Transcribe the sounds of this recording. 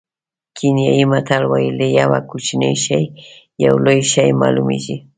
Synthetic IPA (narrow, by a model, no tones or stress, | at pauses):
kʰɪnjaɪmat̪ʰalwajlɪjawakʊt͡ʃnɪjʃaj | jawlojʃajma̰lʊmɪ̰ʒɪ